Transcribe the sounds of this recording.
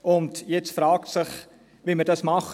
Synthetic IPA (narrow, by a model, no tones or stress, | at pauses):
ʔʊntjɛt͡sfɾɑːk̚tsɪχ | ʋimədɑsmɑχ